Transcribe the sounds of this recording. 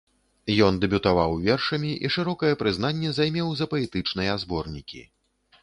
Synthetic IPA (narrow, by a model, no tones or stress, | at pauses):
jɔnd̪ɛbʲut̪avawvʲɛrʂɐmʲiʔiʂɨɾɔkɐjɛpɾɨznanʲːɛzajmʲɛwzɐpɐɛt̪ɨt͡ʂnɨjɛazbɔrnʲikʲḭ